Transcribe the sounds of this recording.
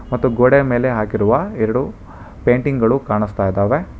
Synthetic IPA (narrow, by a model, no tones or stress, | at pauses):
mɐt̪ːuɡoɽeme̞ːle̞ɦaːkiɾuʋɐɛɾɐɽu | peːɳʈiŋɡɐɭukaːɳist̪aːjid̪aːʋe